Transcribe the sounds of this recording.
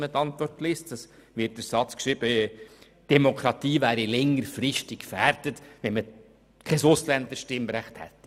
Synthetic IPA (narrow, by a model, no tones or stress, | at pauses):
mət̪ːɑnt̪ʋɔrtlɪstd̥ɑsʋɪt̚dəɾsɑt͡skʃɾiːb̥ə | d̥ɛmokʰɾɑt̪iːvæːɾilɛŋːəɾfɾɪʃtikfærɾd̥ətʋɛnmə | kʰɛsʊslænt̪əʃtɪmɾæχthɛ̰tː